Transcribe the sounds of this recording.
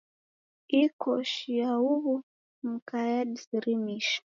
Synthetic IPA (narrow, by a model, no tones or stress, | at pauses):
ikʰɔʃiauβu | m̩kajadisiɾimiʃḁ